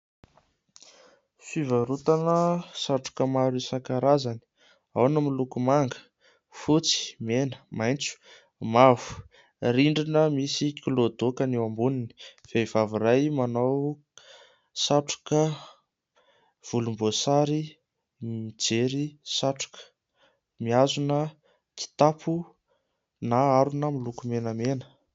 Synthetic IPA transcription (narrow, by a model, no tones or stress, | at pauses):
sivəɾut̪anəsaʈ͡ʂu̥kəmaɾisakaɾazani̥ | awnəmilukumaŋɡə̥ | fut͡si̥menə̥majnt͡su̥ | mavu̥ | ɾiɳɖ͡ʐinəmisikilod̪okənewambunini̥v̥ev̥avuɾajmanaw | saʈ͡ʂḁkə | v̥ulumbosaɾi | mid͡zeɾisaʈ͡ʂḁkə̥ | miazunə | k̪i̥t̪apʰu | naaɾunəmilukumenəmenə̥